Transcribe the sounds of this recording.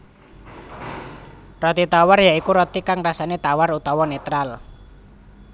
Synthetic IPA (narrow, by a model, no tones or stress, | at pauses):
rɔt̪it̪awarjaikuɾɔt̪ikaŋrasanet̪awarut̪awɔnet̪ɾal